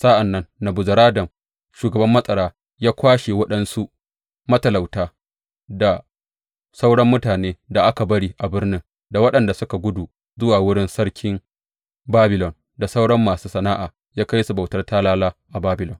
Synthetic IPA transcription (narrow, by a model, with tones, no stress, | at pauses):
sa˦ʔa˨nːɐ˦nːa˨bʊ˨zɐ˨ɾaː˦dɐ˨m | ʃuː˨ɡɐ˨bɐ˦mːɐ˦sʼɐ˨ɽaː˦ | jaː˦kʷaː˦ʃe˨wɐ˦ɗɐ˦nsu˦ʔ | mɐ˦tɐ˨la˨wtaː˦ | da˨ | sa˦wɽɐ˦mːʊ˦taː˨neː˦da˨ʔa˦ka˨bɐ˦ɽiː˦ʔa˨bɪ˦rnɪ˦n | da˨wɐ˦ɗɐ˨nda˨sʊ˦ka˨ɡʷʊ˦du˨ | zʊ˦waː˨wʊ˦ɽɪ˦nsɐ˦ɽkʲɪ˦ŋ | baː˦bɪ˨lɔ˨n | da˨sa˦wɽɐ˦mːaː˨suː˦sɐ˨naː˦ʔaː˨ | jaː˦ka˦jsu˨ba˨wtɐ˦rtaː˦laː˦laː˦ʔa˨baː˦bɪ˨lɔ˨n